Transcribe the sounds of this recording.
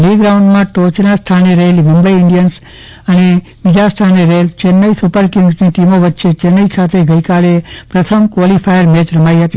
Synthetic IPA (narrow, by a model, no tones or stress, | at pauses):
liɡɾaũɳɖmãʈot͡ʃnast̪ʰaneɾəɦelimumbəiɪɳɖijəns | əne | ʋid͡ʒast̪ʰaneɾəɦelt͡ʃenːəisupəɾkɪŋɡsniʈimoʋət̪ːʃʰet͡ʃenːəikʰat̪ʰeɡəikalepɾət̪ʰəmkʋɔlifʰajəɾmetɾəmaiɦət̪i